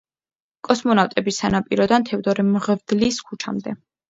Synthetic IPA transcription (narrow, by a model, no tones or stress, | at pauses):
kʼɔsmɔnaft̪ʼɛbisanapʼiɾɔd̪ant̪ʰɛvd̪ɔɾimʁvd̪̥liskʰut͡ʃʰa̰md̪ɛ